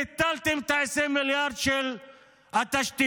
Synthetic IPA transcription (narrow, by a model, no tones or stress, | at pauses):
ɪt̪ɐlt̪ɪmt̪ajsemɪljaːɾt͡ʃʰel | ɐt̪ɐʃt̪i